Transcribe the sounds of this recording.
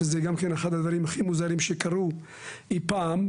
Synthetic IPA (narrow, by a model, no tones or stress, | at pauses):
ezeɡamkeneχad̪ad̪vaɾimaχimuzaʁimʃekaʁu | ipam